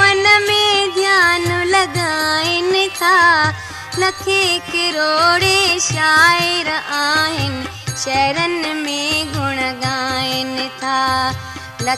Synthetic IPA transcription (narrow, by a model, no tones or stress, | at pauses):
ɐnɐmẽd̪ʱjaːnlɐɡaːɪnt̪ʰaː | lɐkʰikɪɾoːɽeʃaːjeɾɐʔaːɦɪnɪ | ʃɛːɾɐnmeɡʱʊɳ̃ɐɡaːjɪnt̪ʰaː | lɐ